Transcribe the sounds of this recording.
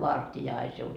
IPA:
ʋɑrtijɑ ɑi siu

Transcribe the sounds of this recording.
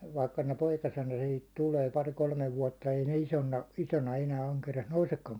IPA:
ʋɑikːɑ ne poikɑsenɑ sihit tuleː pɑri kolmeʋ ʋuɒtːɑ ei ne isonːɑ isonɑ enæː ɑŋkeriɑs nousekːɑŋ

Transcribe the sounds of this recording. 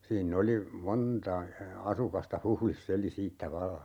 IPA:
siːnː oli montɑ ɑsukɑstɑ huhlisː eli siːtːæ ʋɑlːɑ

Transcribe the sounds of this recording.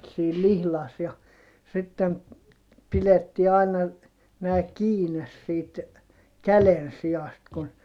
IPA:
siːl lihlɑs jɑ sitːem piletːiː ɑinɑ næː kiːnes siːt kælensij̆ɑst kun

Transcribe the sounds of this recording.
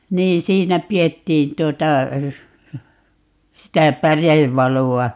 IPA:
niːn siːnæ pietːiːn tuotɑ sitæ pæreʋːɑluɑ

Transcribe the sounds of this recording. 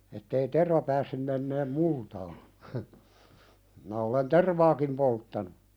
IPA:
etːei terʋɑ pæːsːym menːeːm multɑː minæ olen terʋɑːkim poltːɑnu

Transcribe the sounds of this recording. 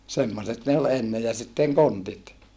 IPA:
semːoset ne ol enːe jɑ sitːeŋ kontit

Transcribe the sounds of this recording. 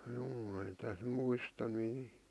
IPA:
juː ei tæs muistɑ niː

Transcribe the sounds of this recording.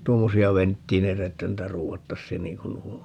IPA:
tuomːosiɑ ʋentːiːneitæ etːæ ruːʋɑtːɑsːiːn niːŋ kun nuo on

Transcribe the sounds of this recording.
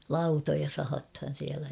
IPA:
lɑutojɑ sɑhɑthɑn̞ siælæ

